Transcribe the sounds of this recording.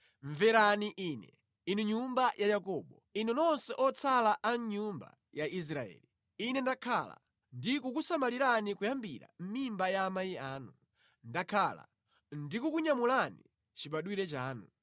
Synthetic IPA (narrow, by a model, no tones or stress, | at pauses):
ɱvɛɾaniʔiːnɛ̰ | inuɲumbajʔajakɔɓɔinɛnɔnsɛʔɔt͡sʰalaʔaɲɲumba̰ | jais̬ɾaɛ̰ːli | inɛndakʰala̰ | ndikukusamaliɾanikujambiɾa̰m̩mimbajaːmaiaːnu | ndakʰala̰ | ndikukuɲamulanḭ | t͡ʃiɓaɗwiɾɛt͡ʃaːnu